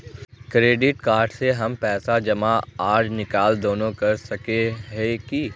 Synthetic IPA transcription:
kɾeːɖɪʈkaːɾɖseɦɐmpɛːsad͡ʒɐmaaːɾd͡ʒnɪkaːld̪oːnõkɐɾsɐkeɦɛki

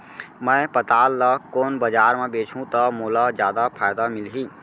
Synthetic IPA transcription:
mə̃ɪpət̪aːlːəkoːnbəd͡ʒaːɾmẽbeːt͡ʃʰũt̪əmoːlad͡ʒjaːd̪apʰaːjd̪amɪlɦiː

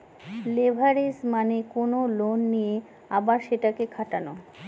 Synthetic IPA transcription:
lebʱaɾismanekonolonːije | abaɾʃeʈakekʰaʈano

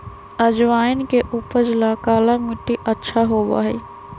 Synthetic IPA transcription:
əd͡ʒʋaːɪnkeʔuːpəɾd͡ʒlakaːlamɪʈːiʔətːʃʰaɦoːba̰ːɦɛ̰ː

